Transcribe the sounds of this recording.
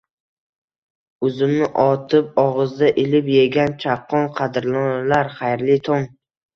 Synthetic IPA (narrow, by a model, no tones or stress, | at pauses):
ʊzɪmnɪʔɒt̪ʰɪp̚ɒʁɨzd̪aʔɪlɪpjeɡʲant͡ʃʰɑqʰːɒnqʰɑd̪ɾlˠɒnalaɾχajɾlɪt̪ʰɒn